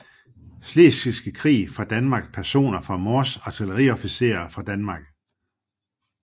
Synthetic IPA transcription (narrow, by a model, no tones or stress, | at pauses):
sle̝sisɡ̥əkʰʁḭːfʁɑ̈d̥ænmɑ̈ːɡ̥̚pʰæɐso̝̰ːnɐfʁɑ̈mɒːsɑ̈t͡sʰiləʁḭɒ̽fise̝̰ːɐfʁɑ̈d̥ænmɑ̈ːɡ̥